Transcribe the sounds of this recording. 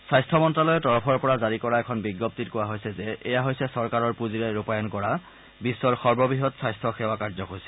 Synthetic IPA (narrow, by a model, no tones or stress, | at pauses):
sajstʰɔmɔntɹalɔjɛtɔɹɔpʰɔɹpɔɹazaɹikɔɹaɛkʰɔnbiɡːɔp̚titkowaɦojsɛzɛɛjaɦojsɛsɔɹkaɹɔɹpuziɹɛɹupajɔnkɔɹa | bisːɔɹxɔɹbɔbiɦɔtsajstʰɔxɛwakaɹzɔkoɹsɛ